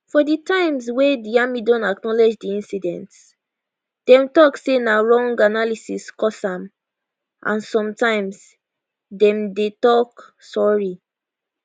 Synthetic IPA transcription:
fɔditãɪ̃mswediamidɔ̃naknɔled͡ʒdiĩnsidɛ̰̃nts | d̥ɛ̃mtɔksenaɹɔ̃ŋɡanalisiskɔsãm | ʔã̰nsɔ̃mtãɪ̃ms | dɛ̃mdetɔk | sɔɹi

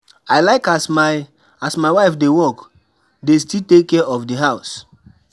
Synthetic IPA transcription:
aɪlaɪkasma | asmaɪwaɪfdewɔk | destitekːɛɔfdiɦaʊs

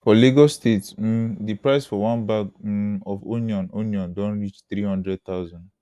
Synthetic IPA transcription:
fɔliɡɔstetsm̩dipɹaɪsfɔwãnbaɡɔfo̰niɔ̃noniɔ̃ndɔ̃nɹit͡ʃt̪ɾihɔ̃ndɹɛd̚t̪aʊzɔ̃n

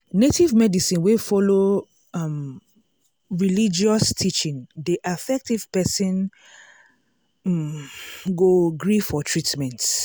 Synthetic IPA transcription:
netʰivmɛdisĩnwefɔlo | m | ɹilid͡ʒiɔstʰit͡ʃĩndiʔafɛk̚tiv̥pɛsĩn | ɡoɡɹifɔtʰɹitmɛ̃nt

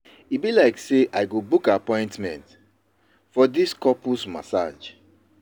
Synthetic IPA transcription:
ibilaɪkseʔaɪɡobukapɔ̃ɪ̃ntmɛ̃nt | fɔdiskɔpusma̰sa̰d͡ʒ

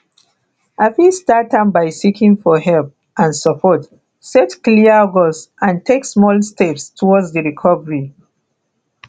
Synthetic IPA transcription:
afistatãnbajsikĩŋfɔɦɛlp̚ | ʔãnsɔpʰɔt | sɛtkliəɡɔsʔãntʰeksmɔlstʰɛpstʰɔwɔdzdəɹikʰɔvəɹi

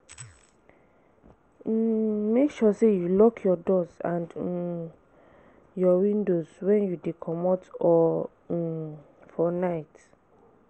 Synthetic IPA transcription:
mekʃɔsejulɔkʰjɔdɔzãnd | jɔwĩndozwɛ̃njudekʰɔmɔtɔ | fɔnaɪt

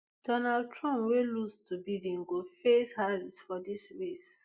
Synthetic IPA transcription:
d̥ɔnald̚tʰɹɔ̃mpwelustʰubidĩŋɡofeshalisfɔdisɹes

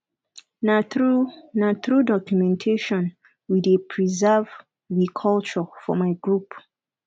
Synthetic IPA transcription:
naɹunatɹudɔkjumɛ̃ntʰeʃɔ̃n | widepʰɹizɛv | ɹikʰɔlt͡ʃɔfɔmaɪɡɹup

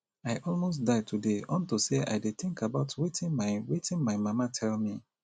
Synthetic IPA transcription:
aɪʔɔlmos̬daɪtʰudeɔ̃ntuseʔa̰ɪdeθɪ̃ŋkʰabaʊtwitĩnmaɪwetĩnmaɪmamatʰɛlmi

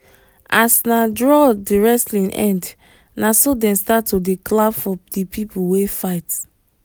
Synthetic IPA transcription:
asnadɹɔdiɹɛslĩnʔɛ̰̃nd | nasodɛ̃nstatʰːodeklabfɔdipʰipʰuwefaɪt

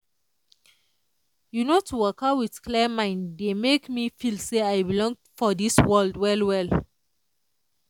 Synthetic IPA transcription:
junotʰuwɔkawidkʰlɛmãɪ̃ndemekmifilseajbilɔ̃ŋ | fɔdiswɜldwɛlwɛl

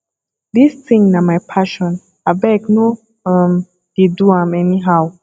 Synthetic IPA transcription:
d̪istĩŋnamajpʰaʃɔ̃n | abɛkno | ʌ̃m | d̥eduãmɛniɦaw

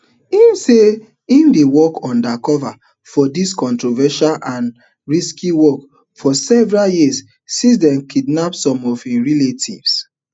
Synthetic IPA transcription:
inse | ĩndewɔkʰɔ̃ndakɔva | fɔdiskɔ̃ntɹovɛʃalʔãn | ɹiskiwɔk | fɔsɛvɛɹaljis | sisdɛ̃mkidnapsɔ̃mɔvĩɹiletʰḭvs

